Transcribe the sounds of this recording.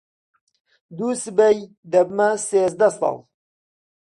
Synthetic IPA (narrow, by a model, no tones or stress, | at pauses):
d̪uːsɨbɛj | d̪ɛbmaseːzd̪ɛsɑ̰ːl